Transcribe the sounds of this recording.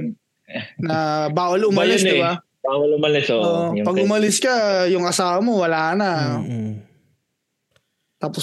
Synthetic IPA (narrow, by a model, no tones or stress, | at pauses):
nɐbaːwɐlʊmljɪsdɪba | baːwɐlʊmɐlɪsʔoʔʔoʔopɐɡʊmɐlɪskɐjʊŋɐsaːwɐmowɐlanɐ | t̪aːpo